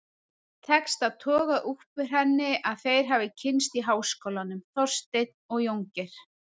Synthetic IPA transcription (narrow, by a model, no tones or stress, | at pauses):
t̪ʰɛkst̪aðt̪ʰɔːɣaʔuhpvɪɾ̥ɦɛnːɪʔaðθejɾ̥ɦavɪcʰɪnst̪iɦaːwskowlanʏmθɔr̥st̪ejt̪̚nɔɣjowŋcɪɾ̥